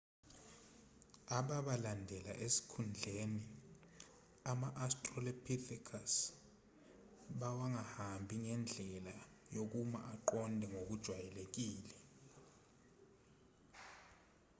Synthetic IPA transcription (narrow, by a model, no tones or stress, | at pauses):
aɓaɓalandʱɛla̰ʔesi̥kʰund͡ɮʱeni | amaʔastʼrɔlepʰiθikʰas | ɓawaŋahambʱiŋɛnd͡ɮʱɛla | jok̬uma̰ʔaǃɔndʱɛŋok̬ud̥ʒ̥ʱwajɛlek̬iːlɛ